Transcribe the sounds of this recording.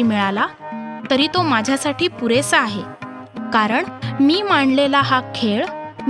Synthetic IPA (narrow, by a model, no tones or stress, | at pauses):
iːmiɭalat̪əɾiːt̪omad͡ʑʱjasaʈiːpuɾesəaɦe | kaɾəɳmiːmaɳlelaɦakʰeɭm